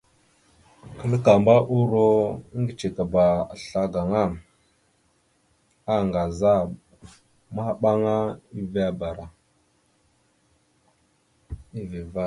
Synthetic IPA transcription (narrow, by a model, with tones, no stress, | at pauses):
kə˦lka˨mba˦ʔu˦ɾo˦ŋɡi˨t͡ʃe˨ka˨ba˨a˨ɬa˦ɡa˨ŋa˦˨m | a˦˨ŋɡa˨za˦˨ | ma˦˨ɓa˦ŋa˦i˦va˦ba˨ɾa˨ | i˦vi˨va˦